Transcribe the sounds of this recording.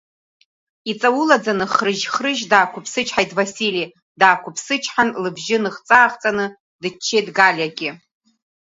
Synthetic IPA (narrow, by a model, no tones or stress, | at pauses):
it͡sʼawʊlad͡zanɨχrɨʒχrɨʒdaːkʷʰʊpʰsɨt͡ʃʰħajtʰʼvasili | daːkʷʰʊpʰsɨt͡ʃʰħanlɨbʒɪnɨχt͡sʼaːχt͡sʼanɨ | dɨt͡ʃʰːejdɡalʲaɡʲɪ